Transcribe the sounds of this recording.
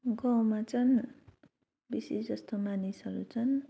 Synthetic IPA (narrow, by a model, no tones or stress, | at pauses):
ɡʌwmat͡sʰʌn | bisesd͡zʌst̪omanisɦʌɾut͡sʰʌn